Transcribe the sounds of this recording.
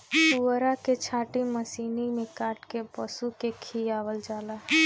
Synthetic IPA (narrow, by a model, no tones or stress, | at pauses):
puɾaket͡ʃʰaːʈiməsiːnimẽkaːʈkebəsukekʰiaːʋəld͡ʒaːlaː